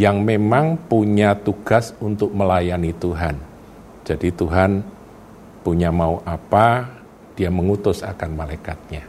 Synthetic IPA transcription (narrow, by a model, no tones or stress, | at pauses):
jaŋmemaŋpuɲat̪uɡ̥a̤sunt̪ʊk̚məlajanit̪uɦan | d͡ʒadit̪uɦan | puɲamauʔapa | d̥iaməŋut̪ʊsa̰kanmalajkat̪̚ɲa